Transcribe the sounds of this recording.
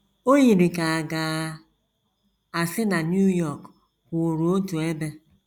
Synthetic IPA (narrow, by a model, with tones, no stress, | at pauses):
o˦ji˨ɾi˨ka˨a˨ɡa˨ | a˨sɪ˦na˨nju˦jɔ˦˨k | kʷʊ˨o˨ɾu˨o˦tu˨e˦be˦